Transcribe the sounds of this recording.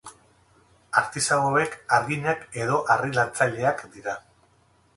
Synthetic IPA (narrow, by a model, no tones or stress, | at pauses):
aɾt̪isaɣoe̞kaɾɣiɲake̞ð̞o̞ʔarilant͡saʎe̞akd̪iɾa